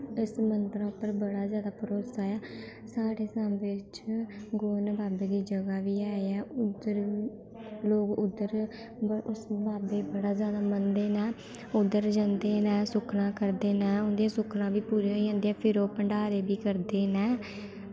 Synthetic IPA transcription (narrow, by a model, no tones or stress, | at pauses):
ɪsmənd̪əɾãːʊpːəɾbəɽaːzjaːd̪aːpəɾoːsaːaː | saːɽeːsãmʋɪt͡ʃɡoːnbaːbeːd̪iːd͡ʒəɡaːʋiːaːeɛːʊd̪əɾ | loːkʊd̪ːəɾ | ʊsbaːbeːbəɽaːzjaːd̪aːmənd̪eːnɛ̃ː | ʊd̪əɾd͡ʒãnd̪eːnɛːsʊkʰnãːkəɾd̪eːnɛːʊ̃nd̪iãsʊkʰnãːbiːpuːɾeɦod͡ʒãːnd̪eɛ̃ːpʰɪɾoːpəɳɖaːɾeːbiːkəɾd̪eːnɛː